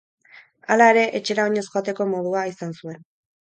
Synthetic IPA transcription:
alae̞ɾe̞ʔet͡ʃe̞ɾaoɲe̞sxoat̪e̞ko̞mo̞ð̞uaisansue̞n

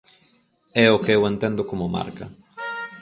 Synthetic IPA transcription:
ɛokewent̪ẽnd̪okomoma̰ɾkɐ̰

